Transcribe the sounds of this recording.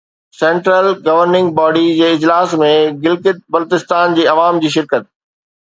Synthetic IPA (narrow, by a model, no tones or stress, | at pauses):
sẽːɳʈɾəlɡɐʋəɾnɪ̃ŋɡ̚bɔːɖid͡ʑeːɪd͡ʑlaːsmẽɡɪlkɪt̪̚bɐlt̪ɪst̪aːnd͡ʑiːɐʋaːmd͡ʑiːʃɪɾkət̪̚